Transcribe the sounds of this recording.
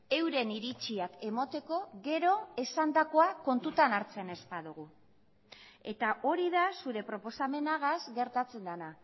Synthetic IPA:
e̞wɾe̞niɾit͡ʃiake̞mot̪e̞ko̞ɣe̞ɾo̞e̞sand̪ako̞ako̞nt̪ut̪anaɾt͡se̞ne̞spaðuɣ̞u | e̞t̪aʔo̞ɾiðasuɾe̞pɾo̞po̞same̞naɣazɡe̞ɾt̪at͡se̞nd̪ana

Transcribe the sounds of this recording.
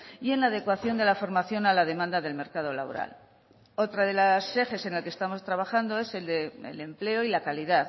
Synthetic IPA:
ie̞nlað̞e̞kwaθjo̞nd̪e̞lafo̞ɾmaθjo̞nalað̞e̞mãnd̪aðe̞lme̞ɾkaðo̞la̰βo̞̰ɾa̰l | o̞t̪ɾaðe̞lase̞fe̞se̞nalkest̪amo̞st̪ɾaβ̞axand̪oe̞seld̪eḛle̞mple̞o̞ilakaliðað

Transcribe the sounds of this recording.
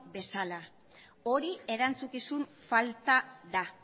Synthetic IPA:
be̞sala | o̞ɾie̞ɾant͡sukisun | falt̪aða

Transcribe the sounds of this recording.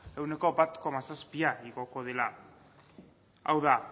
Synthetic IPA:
e̞wne̞ko̞bat̪ko̞masaspiaiɣo̞ko̞ðe̞la | a̰wða

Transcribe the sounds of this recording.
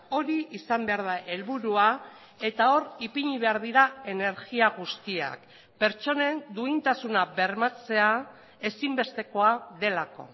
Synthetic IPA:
o̞ɾiisambe̞aɾð̞aʔe̞lβuɾua | e̞t̪ao̞ripiɲiβe̞aɾð̞iɾae̞ne̞ɾɣiaɣust̪ia̰k | pe̞ɾt͡ʃo̞ne̞nd̪uint̪asunaβe̞ɾmat͡se̞a | e̞simbe̞st̪e̞ko̞aðe̞lako̞̰

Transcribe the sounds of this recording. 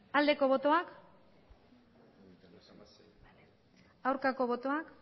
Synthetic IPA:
ald̪e̞ko̞β̞o̞t̪o̞ak | awɾkako̞βo̞t̪o̞ak

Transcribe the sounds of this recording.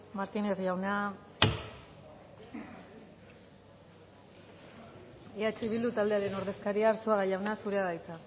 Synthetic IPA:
maɾt̪ine̞θʝawna | eat͡ʃeiβild̪ut̪ald̪e̞aɾe̞no̞ɾðe̞skaɾiaːɾt͡soaɣajawnasuɾe̞aðajt͡sa

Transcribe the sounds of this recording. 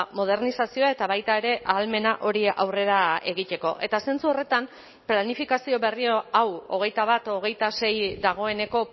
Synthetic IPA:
mo̞ð̞e̞ɾnisasio̞ae̞t̪aβajt̪ae̞ɾe̞ʔaːlme̞naʔo̞ɾiawre̞ɾae̞ɣit̪e̞ko̞ʔe̞t̪ase̞nt͡suo̞re̞t̪am | planifikasio̞βe̞rioawo̞̰ɣ̞e̞jt̪aβ̞at̪o̞ɣ̞e̞jt̪ase̞jd̪aɣ̞o̞e̞ne̞ko̞

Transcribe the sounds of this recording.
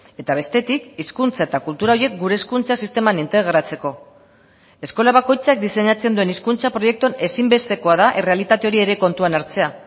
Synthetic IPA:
e̞t̪aβ̞e̞st̪e̞t̪ikiskunt͡sae̞t̪akult̪uɾaoɾie̞k̚ɡuɾe̞skunt͡sasist̪e̞manint̪e̞ɣ̞ɾat͡se̞ko̞ | e̞sko̞laβako̞jt͡sak̚d̪ise̞ɲat͡se̞nd̪ue̞niskunt͡sapɾo̞je̞k̚t̪uane̞simbe̞st̪e̞ko̞aðaʔe̞re̞alit̪at̪e̞o̞ɾie̞ɾe̞ko̞nt̪uanaɾt͡se̞a

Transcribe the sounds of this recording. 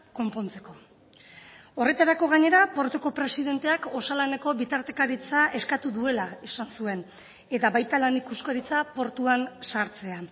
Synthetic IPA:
ko̞mpo̞nt͡se̞ko̞ | o̞re̞t̪aɾako̞ɣ̞aɲe̞ɾapo̞ɾt̪uko̞pɾe̞siðe̞nt̪e̞ako̞salane̞ko̞βit̪aɾt̪e̞kaɾit͡saʔe̞skat̪uðue̞laisansue̞n | e̞t̪aβajt̪alanikuskoɾit͡sapo̞ɾt̪uansaɾt͡se̞a

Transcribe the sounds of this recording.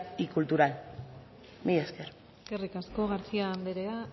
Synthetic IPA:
ikult̪uɾal | mijeskeɾ | eskerikasko̞ɣaɾt͡siand̪eɾea

